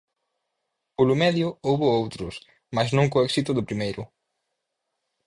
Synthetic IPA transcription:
polʊmɛðjʊowβʊowt̪ɾʊs | masznõŋkoɛksit̪ʊðʊpɾimejɾʊ̰

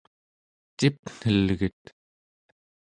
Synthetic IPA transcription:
t̪ipn̥əlɣət̪

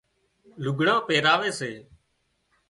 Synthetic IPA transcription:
lʊɡʱɽãːpeːɾaːʋeːseː

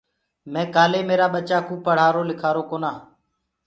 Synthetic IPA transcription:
mɛ̃ːkaːleːmeːɾaːɓət͡ʃaːkũːpəɽ̤aːɾoːlɪkʰaːɾoːkoːnaː

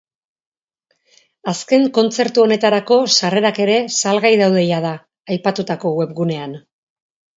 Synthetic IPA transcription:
aske̞ŋko̞nt͡se̞ɾt̪uo̞ne̞t̪aɾako̞sare̞ɾake̞ɾe̞salɣajðawðe̞jað̞aː | jpat̪ut̪ako̞we̞pɣune̞an

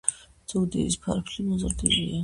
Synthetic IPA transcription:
zɔwd̪ɛ̰ispʰa̰ɾpʰlimɔzɾd̪ilia

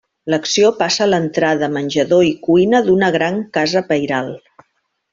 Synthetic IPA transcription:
ləksiopasəːlənt̪ɾaðəmənʲʒəðoikuinəðunəɣ̞ɾaŋkazəpəjɾalˠ

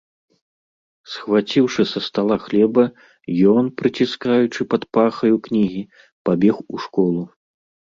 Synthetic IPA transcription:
sxvat͡sʲiwʂɨsɐst̪alˠaxlʲɛbɐ | jɔnpɾɨt͡sʲiskajut͡ʂɨpɐt̪paxɐjuknʲiɣʲi | pabʲɛxuʂkɔlˠu

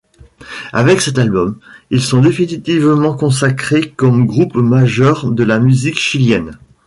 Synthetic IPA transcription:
avɛksɛt̪̬albɔmilsɔ̃d̪efinit̪ivmɑ̃kɔ̃s̬akχekɔmɡʁupmaʒœʁd̪əlamyzikʃiljɛn

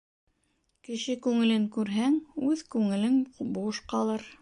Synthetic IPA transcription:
kɘ̆ʃɘkʉŋɘ̆lɘŋkʉɾɦæŋʉðkʉŋɘ̆lɘŋbuʃqɑlˠɤɾ

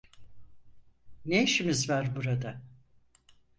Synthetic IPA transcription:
neʃimizvæɾbuɾad̪a

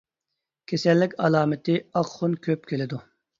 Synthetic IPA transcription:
kʲʰesɛlːɪkʲɑlˠɑːmɪt̪ʰɪɑqχunkʲʰøpkʲʰelɪd̪u

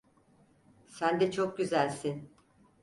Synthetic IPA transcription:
sænd̪ɛt͡ʃʰok̚ɟyzælʲsin

